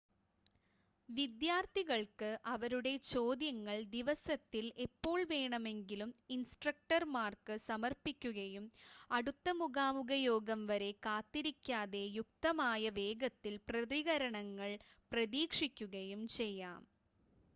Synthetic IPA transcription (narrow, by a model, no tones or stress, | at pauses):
ʋid̪jaːrt̪iɣɐɭkɨʔɐʋɐɾuɽe̞t͡ɕo̞ːd̪jɐŋːɐɭd̪iʋɐsɐt̪ːilepːo̞ːɭʋe̞ːɳɐme̞ŋɡiluminsʈrɐk̚ʈɐrmaːrkɨsɐmɐrpikʲːuɣɐjumɐɽut̪ːɐmuɣaːmuɣɐjo̞ːɡɐmʋɐɾe̞kaːt̪ːiɾikʲːaːðe̞juk̚t̪ɐmaːjɐʋe̞ːɡɐt̪ːilprɐðiɣɐɾɐɳɐŋːɐɭ | prɐðiːkʂikʲːuɣɐjumt͡ɕe̞jːaːm